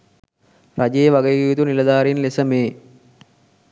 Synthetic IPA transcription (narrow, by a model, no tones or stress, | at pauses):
rad͡ʒeːʋaɡejɡijut̪unilɐd̪aːɾinlesəmeː